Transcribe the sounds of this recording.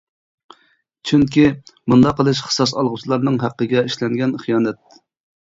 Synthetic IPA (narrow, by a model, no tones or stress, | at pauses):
t͡ʃʰyŋkʲimund̪ɑqəlˠɨʃχə̥sɑsɑlˠʁut͡ʃ̪ʰlˠɑɾnɨŋɦæqːəɡʲɛiʃlɛŋɡʲɛnχijɑːnɛt̪̚